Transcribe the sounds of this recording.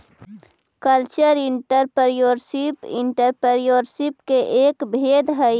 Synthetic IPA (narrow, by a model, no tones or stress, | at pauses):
kəlt͡ʃəɾɪɳʈəɾpəɾjoːɾsipɪ̰ɳʈəɾpəɾjoːɾsipkeʔeːkbʱeːd̪ʱɦə